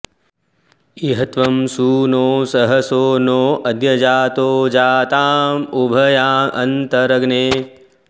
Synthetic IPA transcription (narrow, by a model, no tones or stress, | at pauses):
iɦɐt̪ʋɐmsuːnoːsɐɦɐsoːnoːʔɐd̪jɐd͡ʒaːt̪oːd͡ʒaːt̪aːmubʱɐjaːʔɐnt̪ɐɾɐɡneː